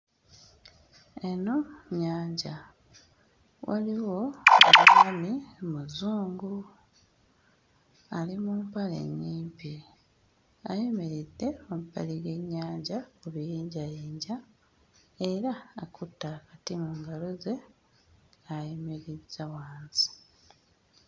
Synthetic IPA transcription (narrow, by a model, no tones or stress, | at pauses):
e̞no̞ɲaːɲɟa | wa̰liwo̞akamanimuzuːŋɡu | alimuːmpale̞̰ɲːiːmpi | ajeme̞ɾidːe̞omupːaliɡe̞ɲːaːɲɟakuβijiːɲɟajiːɲɟa | e̞ɾaːkʰutːakatimuːŋɡalo̞ze̞ | ajemeɾid͡zawaːnzi̥